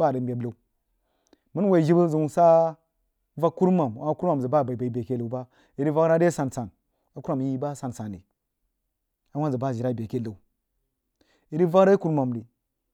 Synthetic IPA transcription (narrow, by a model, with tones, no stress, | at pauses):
ba˦˨ə˨mbʲe˨bla˨˦ | mə˦n˦wa˨i˨ʒi˦bə˦zə˨u˨sa˦ | va˦ku˦ɾma˨mwa˨˦ku˦ɾa˨zə˨ba˦˨ba˨i˨ba˨i˨be˨ke˦la˨˦ba˦ | i˨ɾi˦va˦kɾa˦de˦sa˨nsa˨n | a˨ku˦ɾma˨mji˦ba˦sa˨nsa˨nḭ˨ | a˨wa˦zə˨ba˦˨i˨ɾa˦˨be˨ke˦la˨u˨ | i˨ɾi˦va˦kɾa˦ku˦ɾma˨m˨di˨